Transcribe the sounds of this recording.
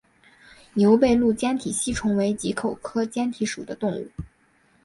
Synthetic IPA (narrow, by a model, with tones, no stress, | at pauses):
njo˧˥ʊpe˥˧ɪlu˥˩t͡ɕjɛ˥nt̪ʰi˨˩ɕi˥ʈ͡ʂʰʊ˧˥ŋwe˧˥ɪt͡ɕi˧˥kʰo˨˩ʊkʰɤ˥t͡ɕjɛ˥nt̪ʰi˧˥ʂṵ˨˩d̪ə˦t̪ʊ˥˧ŋṵ˥˩